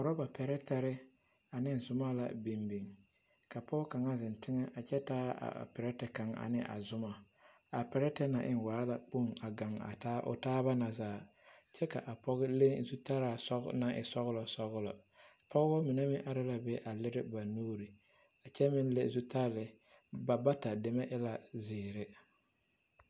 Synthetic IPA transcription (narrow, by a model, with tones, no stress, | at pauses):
ʊ˨ɾɔ˦ba˨pʰɛ˨ɾɛ˦ta˦ɾɪ˦ | a˨nɪ˦˨zʊ˨ma˦la̰˨bi˨mbi˨ŋ | ka˨pɔ˦ka˨ŋa˦zɪ˨n˨tɪ˦ŋɛ˦ʔa˨t͡ʃɛ˦taː˦a̰˨pɛ˨ɾɛ˦tɛ˨ka˨ŋa̰˨nɪ˦ʔa̰˨zʊ˦ma˨ | a˨pɛ˨ɾɛ˦tɛ˦na˨ʔɪ̰˦nwaː˨˦la˨k͡pu˦ŋa˨ɡa˨ŋa̰˨ta˦ʔʊ̰˨taː˦ba˦na˨zaː˦˨ | t͡ʃɛ˦ka̰˨ʔa˨pɔ˦ɣɪ˦le˦ŋzu˦ta˦ɾaː˨sɔ˦ɡ̰na˨ʔɪ̰˨sɔ˦ɣlɔ˨sɔ˦ɣʊ˦lɔ˨ | pʰɔ˦ɣbɔ˦mɪ˨nɛ˦mɪ˦ʔa˦ɾa˦la˨bɛ˦ʔa˨lɪ˦ɾɪ˦ba˨nuː˦ɾi˨ | a˨t͡ʃɛ˦mɪ˦nle˦zu˦ta˦lɪ˨ | ba˨ba˦ta˨dɪ˨mɛ˦ʔɪ˦la˨zɪː˨ɾɪ˦